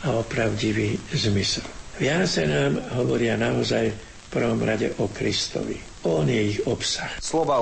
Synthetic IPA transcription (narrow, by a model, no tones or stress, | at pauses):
aɔpɾaʊɟiʋiːzmisɛlʋɪat͡sɛnaːmɦɔʋɔɾɪanaɔzaj | fpr̩ʋɔmɾaɟɛ̰ʔɔkɾist̪ɔ̰ʋḭ | ɔnjɛiɣɔpsaxslɔʋa